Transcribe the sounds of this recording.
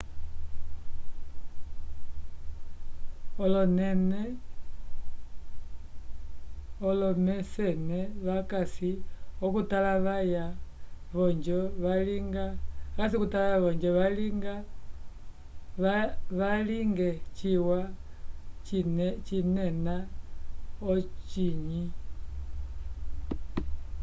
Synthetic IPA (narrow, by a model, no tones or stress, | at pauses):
ɔlɔnɛnɛ | ɔlɔmɛsɛnɛβakasiɔkutalaβaja | βɔɲd͡ʒɔβaliŋɡakas̬ikutalajaβɔɲd͡ʒɔβaliŋɡa | βaliŋɡɛt͡ʃiwa | nt͡ʃinɛna | ɔt͡ʃiɲi